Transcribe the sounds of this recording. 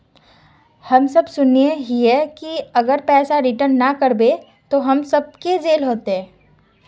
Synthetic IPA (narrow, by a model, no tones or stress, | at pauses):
hɐmsɐbsʊnijeɦiɦɛkiɐɡəɾpɛːsaɾɪʈəɾnːɐkɐɾbe | t̪oɦɐmsɐb̚ked͡ʒeːlɦoːt̪eɦɛ̃ː